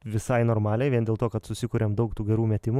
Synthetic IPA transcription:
ʋʲɪsɐɪnoːɾmɑːlʲɛɪʋʲiɛnd̪ʲeːlˠt̪oːkɐt̪sʊsʲɪkuːɾʲeːmd̪ɐʊkt̪uːɡʲɛɾuːmʲɛt̪ʲɪmu

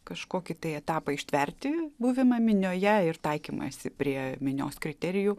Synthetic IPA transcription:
kɐʃkoːkʲɪt̪ɐɪɛt̪ɑːpɐɪʃʲt̪ʲʋʲɛɾʲt̪ʲɪbuːʋʲɪmɐmʲɪnʲoːjɛɪrt̪ɐɪkʲiːmɐ̰sʲɪpʲɾʲiɛmʲɪnʲo̰ːskɾʲɪt̪ʲɛɾʲɪju

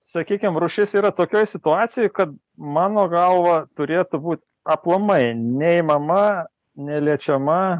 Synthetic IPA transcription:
sɐkʲiːkʲɪmɾuːʃʲɪsiːɾɐt̪oːkʲoːjsʲɪt̪ʊɑːt̪sʲɪjoːjkɐt̪̚ | mɑːnoːɡɐlˠʋɐt̪ʊɾʲeːt̪ʊbuːt̪ʲ | ɐplˠɐmɐɪnʲɛɪmɐmɐ | nʲɛlʲiɛt͡ʃʲɛmɐ

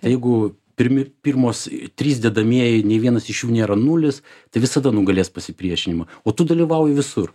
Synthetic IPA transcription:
t̪ɐɪjɛɪɡʊ | pʲɪɾʲmʲɪpʲirmoːst̪ʲɾʲiːsd̪ʲɛːd̪ɐmʲiɛjɪnʲeːʋʲiɛnɐsɪʃjuːnʲeːɾɐnʊlʲɪst̪ɐɪʋʲɪsɐd̪ɐnʊɡɐlʲeːspɐsʲɪpʲɾʲiɛʃʲɪnʲɪmɐoːt̪ʊd̪ɐlʲiʋɐʊjɪʋʲɪsʊr

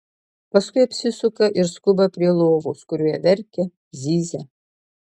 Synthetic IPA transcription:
pɐskʊɪjɐpʲsʲɪsʊkɐʔɪɾskʊbɐpʲɾʲiɛlˠoːʋuːskʊɾʲuːjɛʋʲɛɾʲkʲɛ | zʲiːzʲɛ

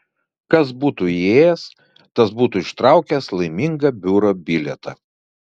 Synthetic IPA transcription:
kɐsbuːt̪uieːjɛs | t̪ɐsbuːt̪uɪʃt̪ɾɑˑʊkʲɛslˠɐɪmʲɪŋɡɐbʲuːɾoːbʲɪlʲɛt̪ɑ

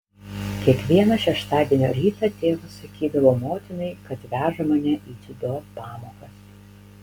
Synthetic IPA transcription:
kʲiɛkʋʲiɛnɐʃʲɛʃt̪ɑːd̪ʲiɛnʲo̰ːɾʲiːt̪ɐt̪ʲeːʋɐsɐkʲiːd̪ɐʋoːmoːt̪ʲɪnɐɪkɐt̪ʋʲæːʒɐmɐnʲɛʔiːt̪ʲɪd̪opɑːmoːkɐs

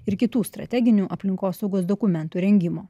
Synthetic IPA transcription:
ɪɾkʲɪt̪uːst̪ɾɐ̰t̪ʲɛɡʲɪnʲuːʔɐpʲlʲɪŋkoːsɐʊɡoːsd̪okʊmʲɛnt̪uːɾʲɛŋʲɡʲɪmoː

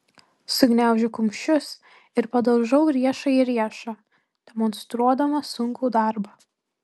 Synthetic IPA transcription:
sʊɡʲnʲæˑʊʒʲʊkʊmʲʃʲʊs | ɪɾpɐd̪ɐʊʒɐʊɾʲiɛʃɐiɾʲiɛʃɑ | d̪ʲɛmɔnst̪ɾuɔd̪ɐmɐsʊŋʲkuːd̪ɑˑɾbɐː

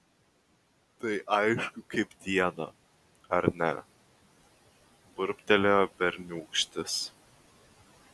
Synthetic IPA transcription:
t̪ɐɪʔɐɪʃkʊkɐɪpd̪ʲiɛnɐ̰ | ɐɾʲnʲɛ̰ | bʊɾʲpʲt̪ʲɛlʲobʲɛɾʲnʲuːkʃʲt̪ʲɪs

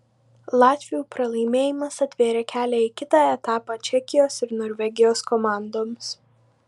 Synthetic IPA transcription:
lˠɑːt̪ʲʋʲɪjuːpɾɐlˠɐɪmʲeːjɪmɐsɐt̪ʲʋʲeːɾʲekʲæːlʲɛɪkʲɪt̪ɑːɛt̪ɑːpɑːt͡ʃʲɛkʲɪjoːsɪɾnoːɾʲʋʲɛɡʲɪjoːskɔmɑˑnd̪oːms

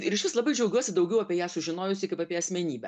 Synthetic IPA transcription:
ɪɾʲɪʃʲʋʲɪslˠɐbɐɪd͡ʒʲɛʊɡʲuɔsʲɪd̪ɐʊɡʲɛʊɐpʲiɛjæːsʊʒʲɪnoːjʊsʲɪkɐɪpɐpʲiɛɐsʲmʲɛnʲiːbʲɛ̰

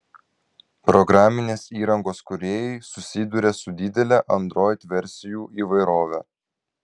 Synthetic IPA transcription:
pɾɔɡɾɑːmʲɪnʲeːsiːɾɐŋɡoːskʊɾʲeːjɛɪsʊsʲɪd̪uɾʲesʊd̪ʲɪd̪ʲɛlʲɛʔɐnd̪ɾoːjt̪ʲʋʲɛɾʲsʲɪjuːʔiːʋɐɪɾoːʋʲɛ

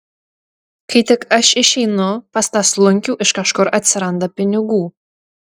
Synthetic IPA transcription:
kʰɐt̪ʰɪkʼɐʃɪʃejnopɐst̪aslˠʊŋʲkʲuːʔɪʃkɐʃkɔɾʔɐt̪ʲsʲɪɾɐnd̪ɐpʲɪnʲɪɡuː

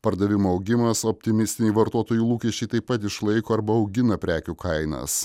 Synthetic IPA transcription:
pɐɾd̪ɐʋʲɪmoːɐʊɡʲɪmɐsɔp̚ʲt̪ʲɪmʲɪsʲt̪ʲɪnʲiːʋɐɾt̪oːt̪oːjuːlˠuːkʲɛʃʲt͡ʃʲɛɪt̪ɐɪpɐt̪ɪʃlˠɐɪkoːɐɾbɐɒʊɡʲɪnɐpʲɾʲæːkʲuːkɐɪnɐ̰s

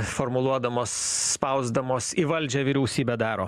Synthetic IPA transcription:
fɔɾmʊlˠuɔd̪ɐmoːsː | pɐʊzd̪ɐmoːsiʋɐlʲd͡ʒʲɛːʋʲiːɾʲɛʊsʲiːbʲɛd̪ɑːɾoː

